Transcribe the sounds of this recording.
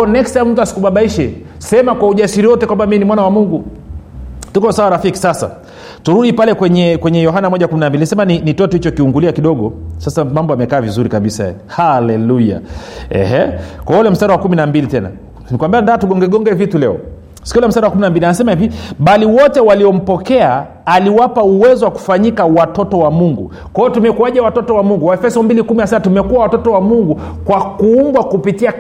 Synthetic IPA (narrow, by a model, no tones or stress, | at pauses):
ɔɔnɛkstammtasi̥kuɓaɓaiʃɛ | sɛmakwauʄasiɾiwɔtɛkwambaminimwanawamuŋɡu | tukɔsawaɾafiki̥sasa̰ | tuɾuɗipalɛkwɛɲɛkwɛɲɛjɔɦanamɔʄakuminambilinsɛmaninitɔtɔhit͡ʃɔkiuŋɡuliakiɗɔɠɔsasamambɔamɛkaːvizuɾikaɓisaja̰jɛhalɛluja̰ɛ̰hɛkaulɛm̩staɾawakuminambilitɛna̰ | nikwambiandaːtuɠɔŋɡɛɠɔŋɡɛvitulɛɔ | sikuulɛm̩staɾawakuminambilianasɛmahiviɓaliwɔtɛwaliɔm̩pɔkɛaː | liwapauwɛzɔwaku̥faɲikawatɔtɔwamuŋɡu | kajɔtumɛkuwaʄawatɔtɔwamuŋɡuaɛfɛsɔmbilikuminasaatumɛkuawatɔtɔwamuŋɡu | kwakuumbwakupitia